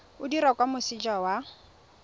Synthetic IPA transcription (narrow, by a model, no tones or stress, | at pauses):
ʊdiɾakwamʊsɪd͡ʒawa